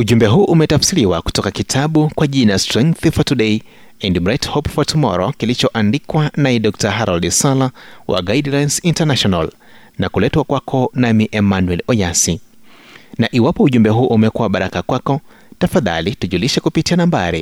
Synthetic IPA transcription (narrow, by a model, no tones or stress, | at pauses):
uʄumbɛɦuʔumɛtafsiliwaku̥tɔkakitʰaɓukwaʄinaastɾɛŋk̚θifɔtuɗɛi | ɛndimɾɛthɔpfɔtumɔ̰ɾɔkilit͡ʃɔʔandikwanaɛɗɔk̚taɦaɾɔldisalawʔa̰ɡaidlajnsintanaʃɔnal | nakulɛtwakwakʰɔnamiʔɛmanuwɛlɔjasi | naʔiwapɔuʄumbɛɦuʔumɛkuwaɓaɾakakwakɔ | tafaða̰lituʄuliʃɛkupitianambaɾḭ